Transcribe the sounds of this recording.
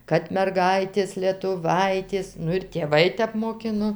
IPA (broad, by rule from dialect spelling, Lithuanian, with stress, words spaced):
kɐt mʲɛrˈɡɐɪtʲeːs lʲiɛtʊˈʋɐɪtʲeːs ˈnʊ ɪr tʲeːˈʋɐɪ ˈtʲɛp moːˈkʲɪnoː